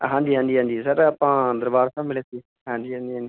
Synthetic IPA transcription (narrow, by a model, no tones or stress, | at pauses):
ɦãːɲd͡ʒiːɦãːnd͡ʒiːɦãːnd͡ʒ̪iːsəɾaːpãːd̪əɾbaːɾsãːmɪɭeːsiː | ɦãːɲd͡ʒiːɦãːnd̪iːɦãːd̪iː